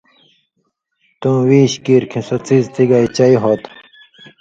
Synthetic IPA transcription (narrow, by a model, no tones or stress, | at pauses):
t̪ũwiːɕkiːɾkʰĩsɐt͡sizt̪iɡait͡ɕɐiɦot̪